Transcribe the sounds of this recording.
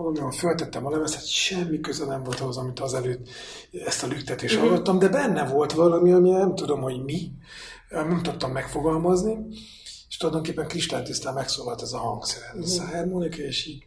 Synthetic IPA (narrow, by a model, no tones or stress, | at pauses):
lononfølt̪ɛt̪ːɛmɒlɛvɛsɛt̪ʃɛmːikøzɛnɛɱvo̞lt̪ɒozɒmit̪ɒzɛløːd̪ | ɛst̪ɒlykt̪ɛt̪eːʃt̪hɒlɡɒt̪ːɒmd̪ɛbɛnːɛvo̞lt̪ʋɒlɒmiɒminɛmt̪ud̪o̞mho̞ɟmi | mɛmt̪ot̪ːɒmːɛkfo̞ɡɒlmɒzni | eʃt̪olɒjd̪o̞ŋkeːpːɛŋkriʃt̪aːt̪ist̪aːmmɛksoːlɒlt̪ɛzɒhɒŋɡsɛɾɛshɛrmonikeːʃiːɟ